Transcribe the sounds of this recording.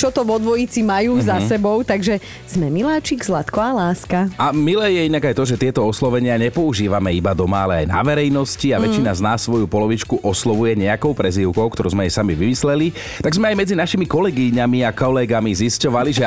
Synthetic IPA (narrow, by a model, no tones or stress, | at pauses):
t͡ʃɔt̪ɔʋɔd̪ʋɔjit͡simajuːzasɛbɔʊt̪aɡʒɛ | z̥mɛmilaːt͡ʃiɡzlat̪kɔalaːskaamilɛːjɛinaɡajt̪ɔʒɛt̪ɪɛt̪ɔɔslɔʋɛɲɪaɲɛpɔuʒiːʋamɛibad̪ɔmaalɛa̰jna̰ʋɛɾɛjnɔsciaʋɛt͡ʃinaznaːsːʋɔjupɔlɔʋit͡ʃkuʔɔslɔʋujɛɲɛakɔʊpɾɛziʊkɔʊkt̪ɔɾuzmɛajsamiʋimislɛli | t̪aɡzmɛajmɛd͡zinaʃimikɔlɛɡiɲamiakɔlɛɡamiziscɔʋaliʒɛ